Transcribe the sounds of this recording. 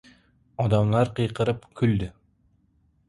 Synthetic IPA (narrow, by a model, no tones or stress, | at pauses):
ɒd̪amlaɾqʰɨjqʰɨɾɪpkʲʰʊld̪ɪ